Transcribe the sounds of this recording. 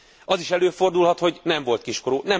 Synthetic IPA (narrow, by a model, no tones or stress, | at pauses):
ɒziʃɛløːfo̞rd̪ulɦɒt̪ho̞ɟnɛmvo̞lt̪̚kiʃkoɾoːnɛ